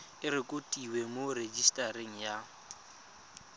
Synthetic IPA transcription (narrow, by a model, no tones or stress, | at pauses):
ɪɾɪkʼotʼiwemored͡ʒistʼaɾiŋ̩ja